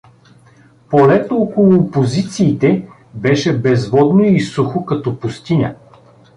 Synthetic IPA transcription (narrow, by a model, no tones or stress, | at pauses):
polɛt̪ookolˠʊpozit̪siːt̪ɛ | bɛʃɛbɛzvɔd̪noisuxokɐt̪ɔpʊst̪inʲə̰